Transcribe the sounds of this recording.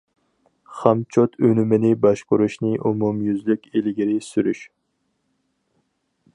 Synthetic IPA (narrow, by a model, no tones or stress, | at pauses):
χæmt͡ʃʰot̪ʰønymɪnɪbɑʃkʊɾuʃnɪʔumumjyzlykʲilɡʲiɾɪsyɾyʃ